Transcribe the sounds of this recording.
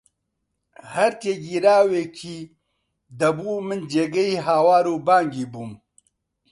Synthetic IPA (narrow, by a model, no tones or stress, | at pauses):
hɐɾt̪eːɡiɾaːwekʰi | d̪ɐbuːmənd͡ʒeɡɐiɦaːwaːɾubaːŋɡibum